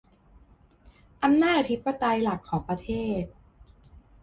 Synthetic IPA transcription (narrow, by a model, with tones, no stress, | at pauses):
ʔa˧mnaː˥˩t̪̚ʔa˧˩t̪ʰi˦˥pːa˧t̪a˧jla˨˩kʰːɔː˩˦ŋpɾa˧t̪ʰeː˥˩t̪̚